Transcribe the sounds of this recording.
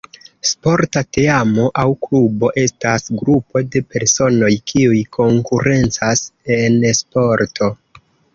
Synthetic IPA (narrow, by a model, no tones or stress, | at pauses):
spo̞ɾtate̞amo̞ʔawklubo̞ʔe̞stasɡɾupo̞de̞pe̞ɾso̞no̞jkʰiujkʰo̞ŋkuɾe̞nt͡sase̞nspo̞ɾtʰo̞